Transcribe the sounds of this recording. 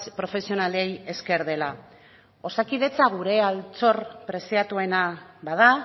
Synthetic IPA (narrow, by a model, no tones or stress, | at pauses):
pɾo̞fe̞sio̞naleje̞ske̞ɾðe̞la | o̞sakið̞e̞t͡saɣuɾe̞alt͡so̞rpɾe̞siat̪ue̞nabaða